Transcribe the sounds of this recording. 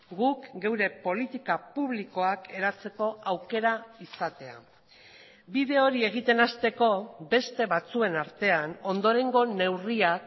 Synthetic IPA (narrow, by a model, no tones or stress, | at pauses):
ɡukɡe̞wɾe̞po̞lit̪ikapuβliko̞ake̞ɾat͡se̞ko̞awke̞ɾaisat̪e̞a̰ | biðe̞o̞ɾie̞ɣ̞it̪e̞nast̪e̞ko̞be̞st̪e̞βat͡sue̞naɾt̪e̞ano̞nd̪o̞ɾe̞ŋɡo̞ne̞wriak